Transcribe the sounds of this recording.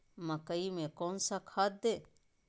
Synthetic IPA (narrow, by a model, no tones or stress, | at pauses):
mɐkəimẽkoːnsakʰaːt̪̚d̪e